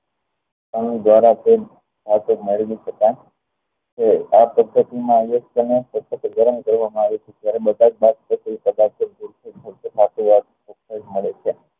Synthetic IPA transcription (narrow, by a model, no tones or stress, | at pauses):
anud̪ʋaɾat̪e | sʰat̪umeɭʋiʃəkaj | keapəd̪ʱːət̪imãjəkt̪ənesət̪ət̪ɡəɾənkəɾʋamãaʋjet͡ʃʰet̪jaɾebəd̪ad͡ʒ̚bad̪pət̪ipəd̪akəɾd͡ʒuɾt̪ʰesət̪ət̪ʰat̪uʋaɾ | okːəd͡ʒməɭet͡ʃʰe